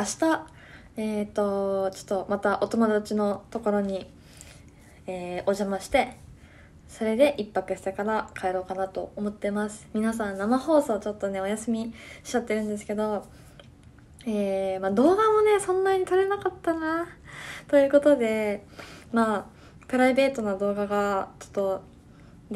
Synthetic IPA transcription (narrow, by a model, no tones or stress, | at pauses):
aɕi̥t̪a | et̪ːo̞t͡ɕo̥t̪ːomat̪aʔo̞t̪o̞mod̪at͡ɕino̞t̪o̞ko̞ɾo̞ɲ̟i | eːo̞ʑamaɕi̥t̪e̞ | so̞ɾe̞d̪e̞ʔipːakɯ̟sekaɾakʰaeɾo̞ːkanat̪o̞omo̞t̪ːe̞masɨ̥mʲinas̬ãnːamaho̞ːso̞ːt͡ɕo̞t̪ːo̞ne̞o̞jasɨmʲiɕi̥t͡ɕat̪ːe̞ɾɯ̟̃nd̪e̞s̬ɨ̥ke̞d̪o̞ | eːmaːd̪o̞ːɡamo̞ne̞sõ̞nːaɲ̟it̪oɾe̞nakat̪ːana | t̪o̞jɯ̟ːko̞t̪o̞d̪e̞ | maː | pɯ̟ɾaibe̞ːt̪o̞nad̪o̞ːɡaɡat͡ɕo̥t̪ːo̞ | d̪